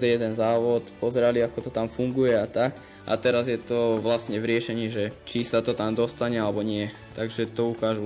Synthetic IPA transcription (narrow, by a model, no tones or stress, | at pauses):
d̪ɛjɛd̪ɛnzaːʋɔt̪pɔzɛɾaliakɔt̪ɔt̪amfuŋɡujɛat̪ak | ʔa̰t̪ɛɾazjɛt̪ɔʋlast̪ɲɛʋɾɪɛʃɛɲiːʒɛt͡ʃisat̪ɔt̪amd̪ɔst̪aɲɛalɛbɔɲɪɛ | t̪aɡʒɛt̪ɔukaːʒu